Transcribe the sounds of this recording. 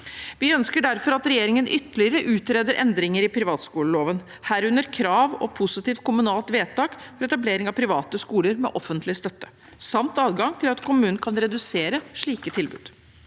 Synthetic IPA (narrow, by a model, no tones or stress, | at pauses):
ʋɪœnskəɖæɾfɔɾɑt̪ɾɛjeːɾɪŋənʔʏt̪ːəlɪəɾəʔʉːt̪ɾɛd̪əɾʔɛ̰nd̪ɾɪŋəɾɪpʰɾɪʋɑːt̪skuːləloːʋən | hæːɾʉnəɾkʰɾɑːʋɔ̰pʰʊsɪt̪iːft̪̚kʰʊmʉnɑːlt̪ʋeːt̪ɑːkfɔɾɛt̪ɑbleːɾɪŋɑʋpʰɾɪʋɑːt̪əskuːləɾmɛ̰ʔɔfənt̪ʰlɪst̪œt̪ːə̥ | sɑmt̪ɑːd̪ɡɑŋt̪ʰɪlɑt̪kʰʊmʉːnnkʰɑnɾɛd̪ʉseːɾəʂɭiːkət̪ʰɪlbʉ̰ːd̪̥